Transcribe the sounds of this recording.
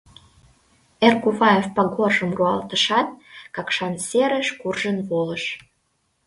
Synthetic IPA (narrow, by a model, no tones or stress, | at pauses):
erkuβɑefpɑɣorʒəmruɑlt̪əʃɑt̪̚kɑkʃɑnseɾə̆ʃkurʒənβoləʃ